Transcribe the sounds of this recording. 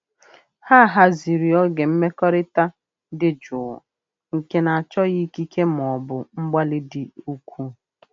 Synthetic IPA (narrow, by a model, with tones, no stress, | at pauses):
ha˦˨ɦa˦zi˨ɾi˨ɔ˦ɡe˨m̩˦me˦kɔ˦ɾɪ˦ta˦ | dɪ˨˦d͡ʒʊ˨ | ŋ̩˨ke˦na˨a˨t͡ʃɔ˦ɣi˦ki˦kʰe˦m˨ɔ˨bʊ˨m̩˦ɡ͡ba˦lɪ˦dɪ˨u˦kʷʰu˦